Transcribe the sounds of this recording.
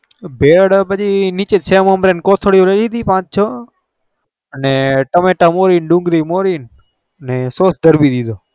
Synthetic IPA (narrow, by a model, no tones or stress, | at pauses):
bʱeɾəɽpəd͡ʒinit͡ʃet͡ʃʰeməmɾenkoːt̪ʰəɽjũɾelid̪ipãːt͡ʃt͡ʃʰo | əneʈəmeʈamoːɾiːnɖũŋɡɾimoːɾiːn | ənesoːsd̪ʱəɾbid̪id̪o